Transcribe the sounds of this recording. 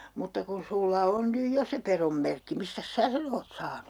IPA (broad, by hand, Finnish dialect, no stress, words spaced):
mutːɑ kun̞ sulːɑ on nyj jo se perom merkːi mistæs sæː sen oːt sɑːnu